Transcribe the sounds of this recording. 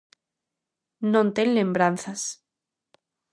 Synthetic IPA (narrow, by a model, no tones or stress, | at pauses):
nõnt̪eŋlembɾanθas